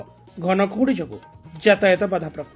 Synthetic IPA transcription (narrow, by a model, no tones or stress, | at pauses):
ɡʱɔnɔkʰuɽid͡ʒɔkṵd͡ʒat̪ajɔt̪ɔbad̪ʱapɾɔ